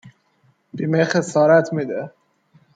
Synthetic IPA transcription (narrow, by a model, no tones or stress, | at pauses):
b̥iːmexesɒːɾæt̪ʰmid̪e